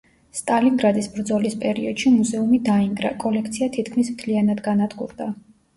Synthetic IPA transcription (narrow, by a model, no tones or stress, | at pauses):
st̪ʼaliŋɡɾad̪isbɾd̪zɔlispʼɛɾiɔd̪̥ʃimuzɛumid̪aiŋɡɾa̰kʼɔlɛkʰt̪sʰiat̪ʰit̪kʰmismt̪ʰlianad̪ɡanad̪ɡṵɾd̪a